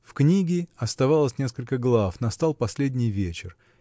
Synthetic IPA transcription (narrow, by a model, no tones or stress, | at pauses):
fknʲiɡʲɪɐst̪ɐvalˠəsʲnʲe̞skəlʲkəɡlˠafnɐst̪alˠpɐsʲlʲedʲnʲɪjvʲet͡ɕɪr